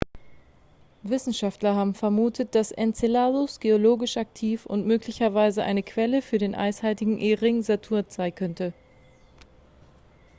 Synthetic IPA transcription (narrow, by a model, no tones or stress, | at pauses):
vɪsn̩ʃaftlɐɦaːbm̩fɛɐmuːtʰət̚d̥asʔɛ̰nt͡selaːðʊsɡ̥eoloːɡɪʃʔak̚tʰiːfʊ̰ntmøːklɪçɐvaɪzəʔa̰ɪnəkʰv̥ɛləfyːɐdeːnʔa̰ɪshaɪtɪɡŋ̩ʔeʁɪŋzatʰuːɐtz̥aɪnkʰœntə